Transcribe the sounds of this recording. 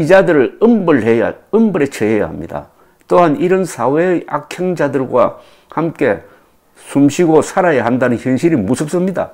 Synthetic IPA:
id͡ʑadɯɾɯɭɯmbɯɭɦeja̰ɯmbɯɾe̞t͡ɕʰeɦeja̰ɦamɲḭda̰ | toɦaniɾɯnsʰawea̰kʰeŋd͡ʑadɯɭɡwa̰ | hamk͈e̞ | sʰumɕʰiɡosʰaɾajeɦandanɯnçjɯnɕʰiɾimusʰɯp̚s͈ɯmɲida̰

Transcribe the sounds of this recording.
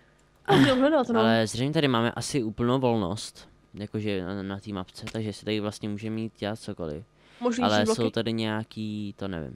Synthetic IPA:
ʔaɡɛlɦlɛdat̪nalɛzrɛjmɲɛt̪adɪmaːmɛ̰ʔasɪuːpl̩nowvo̞lno̰st̪ | jakoʒɛnat̪iːmapt͡sɛt̪aɡʒɛsɛ̥t̪aɡɪvlast̪̚ɲɛmuːʒɛmiːt̪̚ɟɛlat̪̚t͡soko̰lɪ̰f | moʒnialɛsowt̪adɪɲɛjakiːt̪onɛ̰vɪ̰m

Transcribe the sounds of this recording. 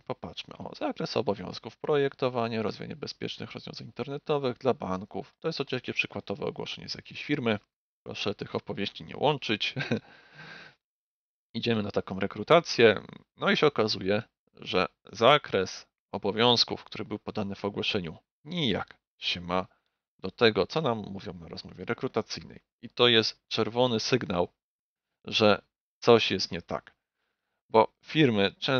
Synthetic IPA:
pɔpatʂmɘ̰ʔɔ̰zakɾɛsɔ̰bɔvʲjɔ̰̃w̃skufpɾɔjɛkt̪ɔvaɲɛɾɔzvʲja̰ɲɛbɛspʲjɛ̰t͡ʂnɘ̰xɾɔzvʲɔ̃zanint̪ɛɾnɛt̪ɔvɘɣd̪labaŋkuft̪ɔjɛst̪xɔt͡ɕɛlkʲɛpʂɘkwad̪ɔvɛ̰ɔ̰ɡwɔ̰ʂɛɲɛ̰z̥ja̰kʲeɕfʲiɾmɘ | pɾɔ̰ʂɛt̪ɘxɔpɔvʲjeɕt͡ɕiɲɛ̰wʔɔnt͡ʂɘt͡ɕ | id͡ʑɛmɘnat̪akɔ̃w̃ɾɛkɾut̪at̪sʲjɛnɔiɕɛɔkazujɛ | ʐɛ̰zakɾɛs | ɔbɔvʲjɔ̃w̃skufkt̪uɾɘbɘwpɔd̪anɘvɔɡwɔɕɛɲu | ɲija̰k | ɕɛma | d̪̥ɔt̪ɛɡɔt̪sɔnamːuvʲjɔ̃wnaɾɔzmɔvʲjɛɾɛkɾut̪at̪sɘjnɛ̰j | it̪ɔjɛst̪t͡ʂɛɾvɔnɘsɘɡnaw | ʐɛ | t̪sɔɕjɛst̪ɲɛt̪a̰k | bɔ | fʲiɾmɘt͡ʂɛ

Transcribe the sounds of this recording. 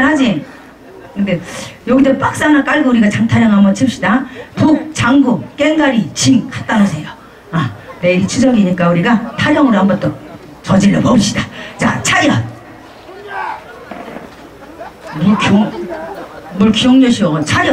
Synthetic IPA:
nɦad͡ʑi | kɯndejoɡidʌp͈ak̚s͈anak͈aɭɡouɾiɡat͡ɕaŋtʰaɾjʌŋɦambʌnt͡ɕʰɯp̚ɕ͈idapuk̚t͡ɕaŋɡumk͈e̞ŋɡaɾit͡ɕiŋkat͈anosʰe̞jo | ame̞ɾit͡ɕʰud͡ʑʌɡiɲik͈auɾiɡatʰaɾjʌŋɯɾoɦambʌt͈ʌ | t͡ɕʌd͡ʑiɭːopʌbiɕ͈id̥at͡ɕa̰t͡ɕʰajʌn | mukʰoŋ | muɭkʰijoŋɲʌɕʰiwʌt͡ɕʰajʌ

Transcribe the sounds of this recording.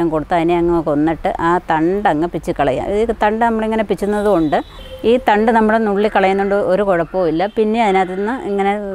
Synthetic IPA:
ɐŋkoɽut̪ːɨɐðineɐŋːɐkːonːiʈːɨ̰ʔaːt̪ɐɳɖɐŋːɐpit͡ɕːɨkːɐɭɐ̰ja̰ːmiðit̪ɐɳɖɨnɐmːuɭeiŋːɐne̞pit͡ɕːunːɐðuko̞ɳɖɨ | iːt̪ɐɳɖɨnɐmːuɭenuɭːikːɐɭɐjːunːuɳɖɨoɾukoɻɐpːoːilːɐpinːe̞ɐðinaːt̪ːinːɐʔiŋːɐne̞

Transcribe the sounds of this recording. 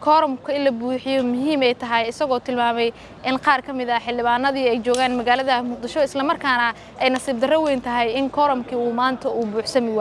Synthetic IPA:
kʰɔːɾɔmkʰɐɪnlɐbuːħɪjɔmʊɦiːmɛjt̪ʰɐɦɛjɪsɐɣɔːt̪ʰɪlmaːmɛj | ʔɪnqɑːrkʰɐmɪðɐħɪld̪ɪβaːnːɐðiːɛjt͡ʃɔːɣaːnmɐɣaːlɐðɐmʊq̚d̪ɪʃɔɪslɐmɐrkʰaːnɐ | ʔɛjnɐsiːb̚d̪ɐrɐwɛjnt̪ʰɐɦɛjɪŋkʰɔːɾɔmkʰiːuːmaːnt̪ʰɐuːbuːħsɐmɪwa

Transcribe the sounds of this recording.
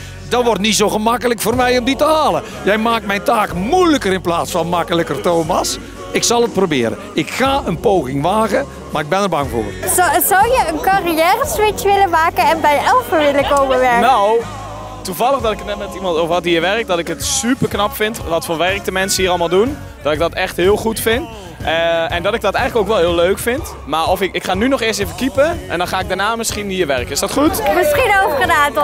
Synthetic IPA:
dɑtʋɔrtnisowɣəmɑkələkfoːrmɛjɔmditəɦaːlə | jɛjmaːk̚tmɛjntaːkmujləkəɾɪnplaːtsfɑnmɑkələkərtowmɑs | ɪksɑlˠət̚prowbɪːɾə̰ | ɪkxaːʔənpowɣɪŋʋaːɣə | maːrɪɡ̚bɛnərbɑŋvʊ̰ːrzɔwjəənkɑrijɛːrəsʋɪt͡ʃʋɪləmaːkəɛnbɛjɛlˠfəʋɪləkowməʋɛɹknow | tuvɑlˠəχdɔtɪkətnɛtmɛtimɑntovəɔt̚iːəʋɛrk̚t̚dɔtɪkətsypərknɑpfɪntʋɔtfoʋɛrk̚dəmɛnsəhiːɾɑlˠmalˠdun | d̥ɔtɪɡ̚dɔtɛxtɦɪːlˠχutfɪnt | ɛndɔtɪɡ̚dɔtɛjxələkowkʋɛlˠɦɪəløɥkfɪnt | maɔfɪkɪkχaːnynɔχɪːstevəkipəʔɛ̰ndɔnχaːɪɡ̚danaːmɪsχiniːəɹʋɛrkəɪsdɔtχutmɪsχinovəχənaːt

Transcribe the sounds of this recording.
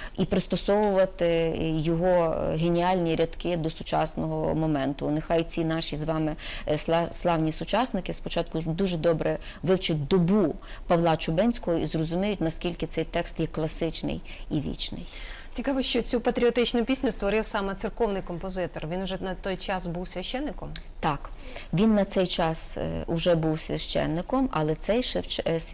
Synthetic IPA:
ipɾɪst̪ɔsɔʋʊʋɐt̪ɪjɔɦɔɦenʲiɑlʲnʲiɾʲɐd̪kɪd̪ɔsʊt͡ʃɑ̰snɔɦɔ̰mɔmɛnt̪ʊnexɑjt͡sʲinɑʃʲizʋɑmɪ | slˠɑwnʲisʊt͡ʃɑsnɪkɪspɔt͡ʃɑt̪̚kʊd̪uʒɛd̪ɔbɾʔɛ | ʋɪwt͡ʃɪt̚ʲd̪ɔbupɐʋlˠɑt͡ʃʊbɛnʲsʲkɔɦɔizrɔzʊmʲijʊtʲnɐskʲilʲkɪt̪sɛjt̪ɛkst̪jɛklˠɐsɪt͡ʃnɪ̰j | iʋʲḭt͡ʃnɪ̰j | t͡sʲikɑʋɔʃt͡ʃɔt͡sʲupɐt̪ɾʲiɔt̪ɪt͡ʃnʊpʲisʲnʲʊst̪ʋɔɾɪwsɑmɛt̪sɨrkɔwnɪjkɔmpɔzɪt̪ɔrʋʲinʊʒɛnɐt̪ɔjt͡ʃɑsbuwsʲʋʲɐʃt͡ʃɛnːɪkɔmt̪ɑkʋʲinːɐt̪sɛjt͡ʃɑsʊʒɛbuwsʲʋʲɐʃt͡ʃɛ̰nːɪkɔmɐ̰lˠɛt̪sɛjʃt͡ʃs

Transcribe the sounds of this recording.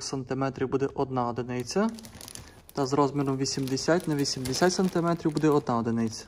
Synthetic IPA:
sɐnt̪ɪmɛt̪ɾʲiwbud̪ɛʔɔd̪naɔd̪ɪnɛj̪t͡sʲɐ | t̪ɐzɾɔzmʲiɾɔmʋʲisʲimd̪esʲatʲnɐʋʲisʲimd̪esʲatʲsɐnt̪ɪmɛt̪ɾʲiwbud̪ɛɔd̪naɔd̪ɪnɪj̪t͡sʲɐ̥

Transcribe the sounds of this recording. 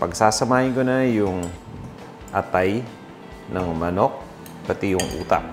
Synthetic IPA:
pɐɡsaːsɐmaːhɪnkonajʊŋ | ʔɐt̪aj | nɐŋmɐno̞k̚ | pɐt̪ijʊŋʔṵːt̪a̰ʔ̚

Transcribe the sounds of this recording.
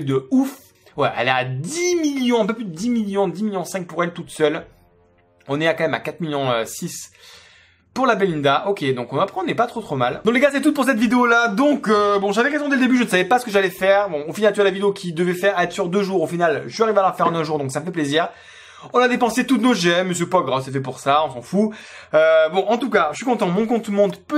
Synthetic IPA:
d̪əuf | wɛʔɛ̰lɛad̪imiljɔ̃ɛ̃p̬øplyd̪əd̪imiljɔ̃d̪imiljɔ̃sɛ̃k̚puʁɛlt̪ut̪sœl | ɔ̃nɛakɑ̃mɛma̰kat̪χmiljɔ̃øsis | puʁlabelind̪aʔokʲed̪ɔ̃kɔ̃napχɑ̃nɛpat̪χot̪χomald̪ɔ̃kləɡasɛt̪̬ut̪̚puʁsɛt̪vid̪eolad̪ɔ̃købɔ̃ʒavɛʁezɔ̃d̪ɛləd̪ebyʒənəsavɛpasə̥kəʒalɛfɛʁbɔ̃ofinalt̪dəlavid̪eokʲʰid̪əvɛfɛʁɛt̪χəsyʁd̪øʒuʁofinalʒeaʁivalaʁfɛʁɑ̃nɛ̃ʒuʁd̪ɔ̃ksaməfɛpleziːʁ | ɔ̃nad̪epɑ̃set̪ut̪noʒɛmːəsjøpɔɡʁasɛfɛpuʁsaɔ̃sɑ̃fu | øbɔ̃ʔɑ̃t̪ukaʃɥikɔ̃t̪ɑ̃mɔ̃k̬ɔ̃t̪mɔ̃d̪pø

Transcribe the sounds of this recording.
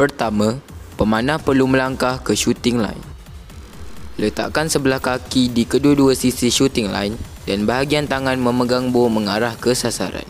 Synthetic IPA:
pərt̪amãpəmãnãpərlumə̃laŋkahkəʃut̪ɪŋla̰in | lət̪a̰ʔkansəbəlahkakidikəduaduasisiʃut̪ɪŋla̰in | danbaɦaɡiant̪aŋanmə̃məɡaŋbomə̃ŋaɾahkəsasa̰ɾa̰n

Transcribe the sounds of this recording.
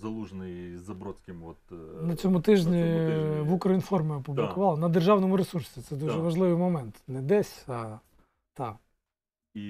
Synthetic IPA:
zɐlˠuʒnɪjzɐbɾɔsʲkʲɪmɔt̪nɐt͡sʲɔmʊt̪ɪʒnʲiʋukɾɐinfɔrmɪɐpublʲˠɪkʊʋɑlˠɐnɐd̪erʒɑwnɔmʊɾesursʲit̪sɛd̪uʒɛʋɐʒlˠɪʋɪjmɔmɛnt̪nɛd̪ɛsʲɐ | t̪ɑ | i

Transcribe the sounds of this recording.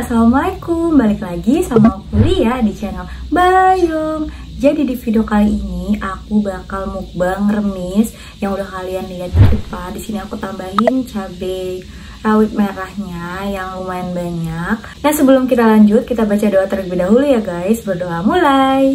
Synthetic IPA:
samaikumbalɪklaɡisamapulijadit͡ʃɛnəlbajuŋ | d͡ʒadidifidiokaliiniakubakalmuk̚baŋrəmɪs | jaŋudahkaliandiiat̪̚didəpadisiniakut̪ambaɦɪnt͡ʃabɛ | rawɪt̪̚maɾahɲajaŋmumaɪnbaɲak̚ | nahsəbəlʊmkit̪alaɲd͡ʒʊt̪̚kit̪abat͡ʃadoat̪ər̚bidaɦulujaɡajsbərdoʔamulaj

